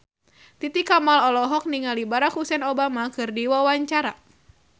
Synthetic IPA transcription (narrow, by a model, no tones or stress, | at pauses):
t̪it̪ikamalɔlɔɦɔk̚niŋalibaɾakhusɛnobamakɨrdiwawaɲt͡ʃaɾa